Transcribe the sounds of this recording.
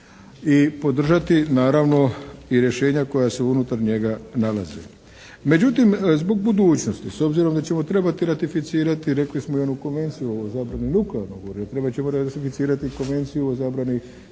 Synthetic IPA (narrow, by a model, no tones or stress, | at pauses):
ipo̞d̪r̩ʒat̪inaːɾaʋno̞iɾje̞ʃe̞ːɲako̞jaseunut̪aɾɲe̞ɡanala̰zḛ | me̞d͡ʑut̪imzbo̞ɡ̚bud̪uːt͡ɕno̞st̪iso̞bziɾo̞md̪at͡ɕe̞mo̞t̪ɾe̞bat̪iɾat̪ifit̪siːɾat̪iɾe̞klismoiod̪nuko̞nʋe̞nt̪sijuozaːbɾaninukleaɾnoɡoɾiot̪ɾe̞bat͡ɕemoɾat̪ifit̪siːɾat̪iko̞nʋe̞nt̪sijuozaːbɾani